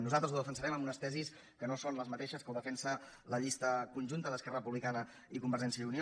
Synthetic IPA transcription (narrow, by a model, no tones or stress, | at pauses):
nuzalˠt̪ɾəzuðəfəns̬əɾɛməmbunəst̪ɛzis | kənosonləzmət̪eʃəskəwðəfɛnsələʎist̪əkunʲʒunt̪əðəskɛrəpuβlikanə | ikumbəɾʒɛns̬jəunio